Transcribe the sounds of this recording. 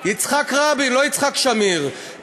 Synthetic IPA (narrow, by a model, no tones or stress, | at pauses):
jit͡sχakʁabilojit͡sχakʃamiʁ